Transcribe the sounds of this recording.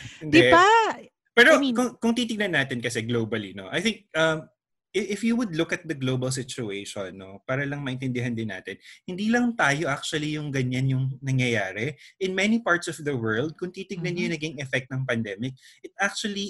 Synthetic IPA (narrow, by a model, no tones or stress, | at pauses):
ɪnd̪ɛa | pɛːɾokʊŋkʊŋt̪iːt̪ɪɡŋnɐnːaːt̪ɪnkɐsɛɡlowbɐlino̰ʔajθɪŋk̚ɐm | ʔɪɪfjuwʊd̪lʊkɐt̪̚d̪ɐɡloːbɐls̬ɪt͡ʃʊejʃonːopaːɾɐlɐŋmɐʔɪnt̪ɛnd̪ɪɦɐnd̪ɪnːa̰ːt̪ɪnhɪnd̪iːlɐŋt̪aːjo̞ʔak̚t͡ʃʊɐlijʊŋɡɐɲanjʊŋnɐŋjɐjaːɾɛʔɪnmɛnipaɹt̪sɔfðɐwɜ˞ld̪̚kʊŋt̪it̪ɪɡnɐnːjʊnɐɡɪŋɛfɛk̚t̪̚nɐŋpɐnd̪ɛmɪk̚ʔɪt̪̚ak̚t͡ʃuɐli